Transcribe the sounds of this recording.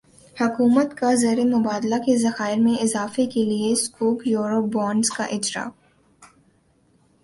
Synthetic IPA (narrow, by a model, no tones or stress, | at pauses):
hʊkuːmət̪kazeːɾemʊbaːd̪lakezɐxaːɪɾmẽɪzaːfekelieskuːkjuːɾop̚bɔːɳɖzka̰ʔɪd͡ʒɾa̰ː